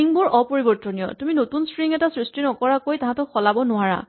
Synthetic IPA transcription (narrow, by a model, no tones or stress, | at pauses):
iŋbɔɹʔɔpoɹibɔɹtɔnijɔ̰tuminotunspɹiŋɛtasɹistinɔkɔɹakojtãɦãtɔxɔlabɔnʊaɹa̰